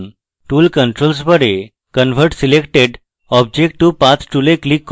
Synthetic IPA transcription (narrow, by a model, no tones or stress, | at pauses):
n | ʈuːlkəɳʈɾols̬bəɾe | kənʋʱəɾʈsilekʈeɖ | ɔb̚d͡ʑek̚ʈʈːupãt͡sʰʈuleklikː